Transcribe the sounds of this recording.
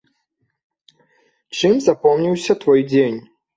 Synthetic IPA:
t͡ʂɨmzapɔmnʲiwsʲɐt̪vɔjd͡zʲenʲ

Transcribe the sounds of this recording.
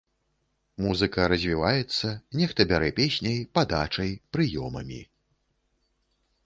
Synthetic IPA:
muzɨkɐɾɐzʲvʲivajɛt̪sːɐnʲɛxt̪ɐbʲaɾɛpʲesʲnʲɐjpad̪at͡ʂɐjpɾɨjɔmɐ̰mʲḭ

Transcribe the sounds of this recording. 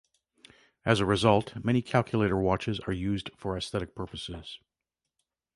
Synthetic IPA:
ɨzəɹɨzʌlˠtmɛ̃ñikʰælˠkʰjəleɪɾə˞wɑt͡ʃɨzə˞jʉzd̥fə˞ɨsθɛɾɨk̚pʰɜ˞pəsɪz̥

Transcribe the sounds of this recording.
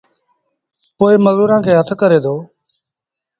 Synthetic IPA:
poːɪːməzuːɾãːkʰeːɦət̪ʰkəɾeːd̪oː

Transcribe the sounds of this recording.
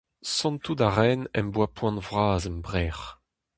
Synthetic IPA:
sɑ̃nt̪ud̪aʁɛnɛ̰mbwapʰwɑ̃nvʁaːzɛmbʁɛːʁ

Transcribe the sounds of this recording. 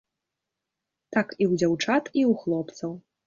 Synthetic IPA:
t̪akiwd͡zʲawt͡ʂat̪iuxlˠɔpt̪sɐw

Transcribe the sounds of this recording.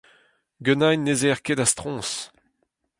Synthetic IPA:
ɡønajnezeʁkedast̪χɔ̃ːs

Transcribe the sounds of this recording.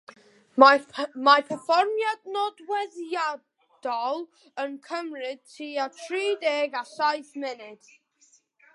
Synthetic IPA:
mapʰɛfɔrmjadnɔdwɛðja | d̥ɔlˠ | ənkʰəmrɪd̥̚tʰiːatʰriːdɛɡaɬajθmɛnɪd̥

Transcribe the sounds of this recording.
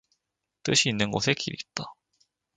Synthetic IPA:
tɯɕʰiːnːɯnɡosʰe̞kiɾḭp̚t͈a

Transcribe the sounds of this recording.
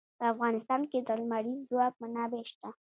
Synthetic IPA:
pəafɣɑnɪst̪ɑnked̪əlmaɽizwɑk̚manɑbeʃt̪a

